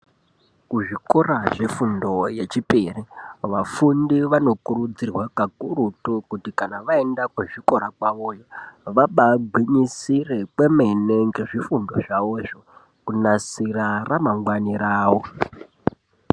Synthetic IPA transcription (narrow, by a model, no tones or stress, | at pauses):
kuʐikoraʐefundo̞jet͡ʃiperiʋafundiʋano̞kurud͡zirwakakurutukutikanaʋaendakweʐiko̞ɾakwaʋojoʋaɓaɡʱwiɲisire̞kwe̞me̞ne̞ŋɡe̞ʐifundo̞ʐaʋoʐo | kunasiraramaŋɡwaniɾaːwo